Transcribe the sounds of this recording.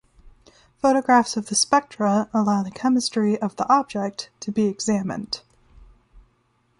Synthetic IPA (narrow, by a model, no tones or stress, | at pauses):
foʊɾəɡɹæfsʌvðɨspɛk̚tɹ̥əəlaʊðɨkʰɛmɨstɹ̥iʔʌvðiʔɑb̚d͡ʒɛk̚tʰɨbiɨɡzæmɨ̰̃nd̥